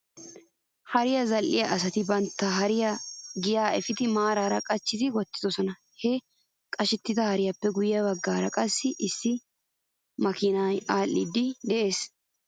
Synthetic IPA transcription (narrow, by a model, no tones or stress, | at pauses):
hɐɾɪjɐzɐlʔɪjɐʔɐsɐt̪ɪbɐnt̪ːɐɦɐɾɪjɐɡɪjaːɛfɪd̪ɪmaːɾaːɾɐkʼɐt͡ʃːɪzɪwɔt̪ːɪ̥d̪ɔsɔnɐ | hɛ | kʼɐʃɪt̪ːɪd̪ɐhɐɾɪjɐpːɛɡʊjɪjɐbɐɡːaːɾɐkʼɐsːɪʔɪsːɪ | mɐkɪnajaːlːɪd̪ːɪd̪ɛʔe̞ːs